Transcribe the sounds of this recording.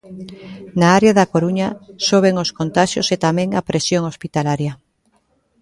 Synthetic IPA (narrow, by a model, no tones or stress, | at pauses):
naaɾeaðakoɾuɲasoβ̞eŋoskont̪aʃjo̰set̪amɛ̃ŋapɾesjoŋospit̪alaɾjɐ